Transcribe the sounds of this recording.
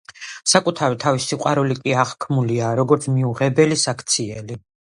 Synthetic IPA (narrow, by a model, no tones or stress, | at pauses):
sakʼut̪ʰavit̪ʰavisiqʼwaɾulikʼiaʁkʰmuliaɾɔɡɔɾt̪sʰmiuʁɛbɛlisakʰt̪sʰiɛli